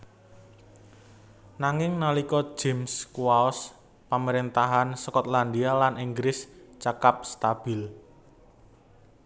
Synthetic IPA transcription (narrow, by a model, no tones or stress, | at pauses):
naŋɪŋnalikɔ̥d͡ʒ̥ɛ̤mskuwaɔs | paməɾent̪aɦansəkɔt̪land̪ialaniŋɡɾɪst͡ʃakap̚st̪ab̥ɪl